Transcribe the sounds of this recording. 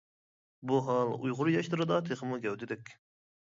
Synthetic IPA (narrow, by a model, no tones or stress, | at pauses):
buɦɑlˠṵjʁʊɾjɑʃt̪ɨɾɨd̪ɑt̪ʰeχəmuɡʲɛwd̪ɪd̪ɛkʲ